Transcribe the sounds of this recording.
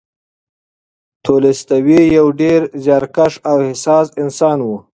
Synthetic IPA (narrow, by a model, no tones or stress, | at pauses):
t̪ʰolest̪awijawɖeɾzjɑɾkaʂawhɪsɑːsɪnsɑːnwu